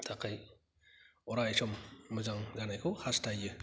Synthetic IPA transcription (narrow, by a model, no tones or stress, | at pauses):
t̪ʰakʰaj | ɔɾajsɔmːɯzaŋd͡ʒanajkʰɯwhastʰajɯ